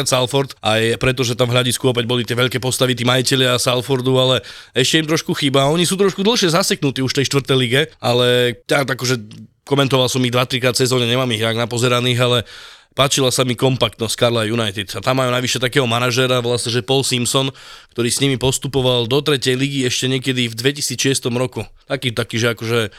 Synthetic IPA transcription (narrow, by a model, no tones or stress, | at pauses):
t̪salfɔɾt̪ʔajpɾɛt̪ɔʒɛt̪aɱvɦʎaɟiskuɔpɛɟbɔlit̪ɪɛʋɛʎkɛːpɔst̪aʋit̪iːmajicɛʎɪasalfɔɾd̪ualɛɛʃcɛimt̪ɾɔʃkuxiːbaɔɲisuːt̪̬ɾɔʃkud̪l̩ˠʃɪɛzasɛknut̪iːuʃt̪ɛjʃt̪ʋr̩t̪ɛjliɡɛalɛt̪aakɔʒɛ | kɔmɛnt̪ɔʋalsɔmiɣd̪ʋat̪ɾikɾaːt̪sɛzɔːɲɛɲɛmaːmiɣnaɡnapɔzɛɾaniːɣalɛpaːt͡ʃilasamikɔmpakt̪nɔskaɾlajunajt̪it̪at̪amːaːjunaʋiʃɛt̪akɛːɦɔmanaʒɛɾaʋlasɲɛʒɛpɔlsimsɔnkt̪ɔɾiːsɲimipɔst̪upɔʋald̪ɔt̪ɾɛcɛjliɡiɛʃcɛɲɪɛkɛd̪ivd̪ʋɛcisiːt͡sʃɪɛst̪ɔmɾɔkut̪akiːt̪akiːʒɛakɔʒɛ